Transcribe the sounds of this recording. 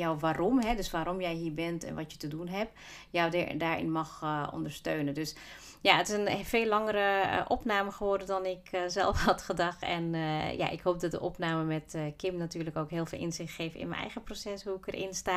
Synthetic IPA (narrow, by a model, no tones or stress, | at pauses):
jɔwʋaːromɦɛdøsʋaːɾɔmjɛjɦiːɹbɛntɛ̰nʋɔtjətədunɦɛp | jawdaːɹɪ̰nmɑxɔ̰ndəɹstøːnəndøs | jaətɪsənfeːlːɑŋəɾəʔɔpnaːməxəʋɔrdədɔnɪkzɛ̰lˠfhɑtxədɑxtɛ̰nja̰ʔɪ̰kɦoːp̚dɔt̚də̰ʔɔpnaːməmɛtkɪmnatyːrləkoːkɦɪːlˠfɪːlˠʔɪ̰nzɪxtxeːfɪ̰nmə̰nɛ̰jɣəprosɛshuɪkərʔɪ̰nstaː